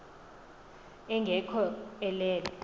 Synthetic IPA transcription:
ɛŋɡʱɛkʰɔɛlɛːlɛ

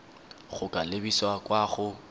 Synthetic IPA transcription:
χʊkʼalebiswakʼwaχʊ

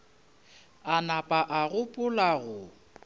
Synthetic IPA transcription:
anapʼaʔaɣʊpʼʊlaɣʊ

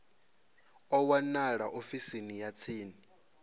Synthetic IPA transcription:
ɔwanaɺaʔofisinijat͡sʰiːni

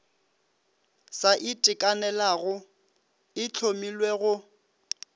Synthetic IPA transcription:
saʔɪtʼɪkʼanɛlaɣʊ | ɪt͡ɬʰomilweɣʊ

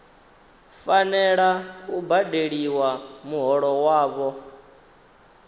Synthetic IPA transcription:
fanɛɺaubadeɺiwamuɦɔɺɔwaːβɔ

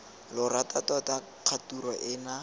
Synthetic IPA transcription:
lʊratatɔta | q͡χʰaturɔʔɪna

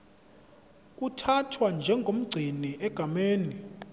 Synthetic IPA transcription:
k̬ʼutʰatʰwand͡ʒʱɛŋɡʱom̩ɡ͡ǀʱiniʔɛɡ̥ʱameːni

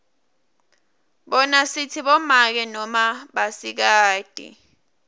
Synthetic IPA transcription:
ɓɔnasitʰiɓɔmak̬ɛnɔmaɓasik̬aːd̥ʱḭ

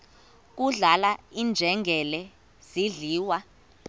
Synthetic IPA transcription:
k̬uɮalaind͡ʒʱɛŋɡʱɛlɛ | z̥iɮiːwa

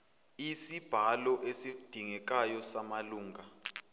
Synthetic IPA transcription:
isib̥ʱalɔʔesikud̥ʱiŋɛk̬ʼajɔsamaluːŋɡʱa

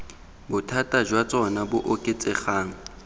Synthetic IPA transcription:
bʊtʰatʼad͡ʒwat͡sʼɔnabʊʔokʼet͡sʼɪχaːŋ̩

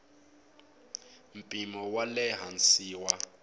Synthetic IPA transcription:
m̩pʼimɔwalɛɦan̩siːwa

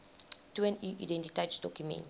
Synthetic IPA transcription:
tuɛ̃nuːʔidɛ̃ntitaɪtsdɔkjumɛ̰̃nt

